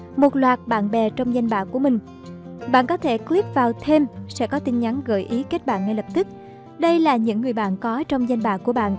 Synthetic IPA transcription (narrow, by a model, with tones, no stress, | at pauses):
mo˨˩t̚lwaː˨˩t̚ɓa̰ː˧˨nɓɛ˨˩t͡ɕɔ˧wŋ͡mza˧jŋɓa̰ː˧˨ku˧˩əmï˨˩ŋ̟ | ɓa̰ː˧˨nkɔ˨˦t̪ʰe˧˩kli˦˥p̚vaː˨˩wt̪ʰe˧msɛ̰˧˥kɔ˨˦t̪i˧n̟ɲa˨˦nɣə̰ː˧˨˩jʔi˨˦ke˦˥t̚ɓa̰ː˧˨nːa˧jlə˨˩p̚t̪ɨ˦˥k̚ | ɗə˧jlaː˨˩ɲɨ̰˧˥ŋːɨ˨˩əjɓa̰ː˧˨nkɔ˨˦t͡ɕɔ˧wŋ͡mza˧jŋ̟ɓa̰ː˧˨ku˧˩əɓa̰ː˧˨n